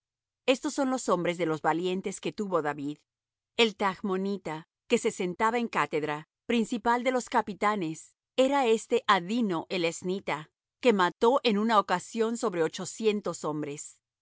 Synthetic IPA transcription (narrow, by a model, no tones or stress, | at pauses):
e̞st̪o̞sːo̞nlo̞so̞mbɾe̞zðe̞lo̞zβalje̞nt̪e̞ske̞t̪uβo̞ðaβið | e̞lt̪aɣmo̞nit̪a | ke̞se̞se̞nt̪aβaeŋkat̪e̞ðɾa | pɾinsipald̪e̞lo̞skapit̪ane̞s | e̞ɾae̞st̪e̞ʔaðino̞ʔelesnit̪a | ke̞mat̪o̞ʔe̞nunaokasjo̞nsoβɾe̞ot͡ʃo̞sje̞nt̪o̞so̞mbɾe̞s